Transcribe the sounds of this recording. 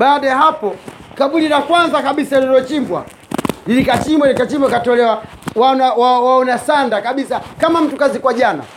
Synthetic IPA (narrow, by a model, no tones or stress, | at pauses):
ɓaːɗajaɦapɔ | kaɓulilakwanzakaɓisalɔɾɔt͡ʃimbwa̰ | lilikat͡ʃimbwalikat͡ʃimbwakatɔlɛwa | wanawawaɔnasandakaɓisakamam̩tukazikwaʄana̰